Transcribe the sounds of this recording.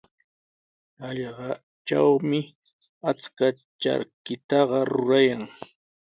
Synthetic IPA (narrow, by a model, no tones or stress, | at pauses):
ɑʎɢɑ | t͡ʃawmɪ | at͡ska | t͡ʃa̰ɾkɪt̪ɑɢɑɾʊɾajaŋ